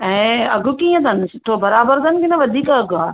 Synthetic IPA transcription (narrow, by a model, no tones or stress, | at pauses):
ɛ̃ːɐɡʱʊ̆kiːə̃d̪ʱɐnɪsɪʈ̪ʰoːbɐɾaːbəɾd̪ɐnɪkɪnɐʋɐd̪ʱiːkɐɡʱaː